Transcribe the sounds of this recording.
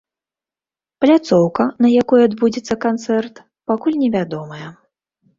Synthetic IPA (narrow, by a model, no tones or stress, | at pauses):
plʲat̪sɔwkɐnɐjakɔjuad̪bud͡zʲit̪sːɐkant̪sɛrt̪ | pakulʲnʲɛvʲad̪ɔmɐjɐ